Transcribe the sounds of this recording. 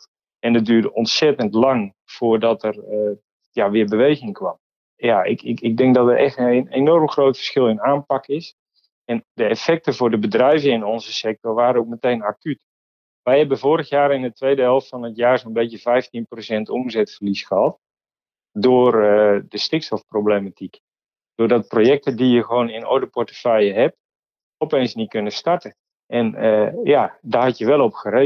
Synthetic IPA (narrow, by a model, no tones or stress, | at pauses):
ɛndət̚dyːrdəʔɔntsɛtəntlɑŋ | fʊːrdɔtərə | jaʋɪːəbəʋejɣɪŋkʋɑ̰m | jaɪ̰kɪkɪɡ̚dɛŋk̚dɔtətɛxtnenɔrmxrowtfə̥rsxɪlˠɪnaːnpɑkɪs | ɛndəɛfɛk̚təvʊːdəbədrɛjvəɪnonzəsɛk̚tɔrʋaːɾənok̚mətejnakyt | ʋɛjhɛbənvoːɾəɣjaːɾɪnətʋeːdəɛlˠffɔnətjaːrzonbetjəvɛjftinprosɛntomzɛtfərlisxəɦɑt̚ | dʊːrdəstɪksɔfproblematʰik | d̥ʊːrdɔt̚projɛk̚tədijəxəʋoːnɪno̰dəpɔrtə̥fɛjəɦɛp̚ | ɔpeːnsnit̚kønəstartə | ʔɛnəjadahɑtjəʋɛlˠɔpxəɾe